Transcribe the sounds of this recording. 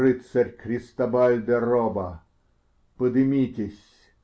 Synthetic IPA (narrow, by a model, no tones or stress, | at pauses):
ɨt̪sɐrʲkɾʲɪst̪ɐbalʲd̪ɐrɔbɐ | pɨd̪ɨmʲit̪ʲɪsʲ